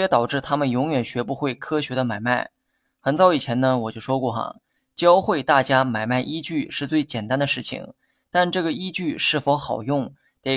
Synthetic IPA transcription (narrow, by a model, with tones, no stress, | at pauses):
jɛ˧˥t̪ɑ˨˩ʊʈ͡ʂɻ̩˥˩t̪ʰa˥mə˨njʊ˧˥ŋɥɛ˨˩nɕɥɛ˧˥pu˥˧xwe˥˩ɪkʰɤ˥ɕɥɛ˧˥d̪ə˧ma˨˩ɪma˥˩ɪ | xə˧˥nt͡sɑ˥˩ʊi˨˩t͡ɕʰjɛ˧˥nə˧wɔ˨˩t͡ɕjo˥˩ʊʂwɔ˥kwɔ˥˩xɐ̰˨˩ | t͡ɕjɑ˥ʊxwe˥˧ɪt̪a˥˩t͡ɕja˥ma˨˩ɪma˥˩ɪʔi˥t͡ɕy˥˩ʂɻ̩˥˧t͡swe˥˩ɪt͡ɕjɛ˨˩nt̪a˥nd̪ə˨ʂɻ̩˥˩t͡ɕʰḭ˨˩ŋ | t̪a˥˧nʈ͡ʂɤ˥˩ɡə˩i˥t͡ɕy˥˧ʂɻ̩˥˩fo˧˥ʊxɑ˨˩ʊjʊ˥˩ŋ | t̪e˧˩